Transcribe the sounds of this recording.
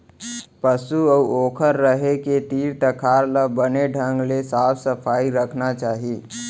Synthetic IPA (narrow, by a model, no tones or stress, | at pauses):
pəsuəoːkʰəɾːəɦeket̪iːɾt̪əkʰaːɾləbəneɖʱə̃ŋɡlesaːpʰsəpʰaːiɾəkʰnat͡ʃaːɦi